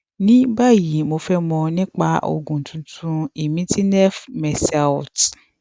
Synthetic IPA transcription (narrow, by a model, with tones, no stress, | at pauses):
nĩ˦ba˦˨ji˨˦mo˧fɛ˦mɔ̃˧nĩ˦k͡pa˧˦ʔo̰˨ɡũ˨tʰũ˨tʰũ˧i˨mĩ˦ti˦nɛ˦fmɛ˨sɛ˨ɔ˨t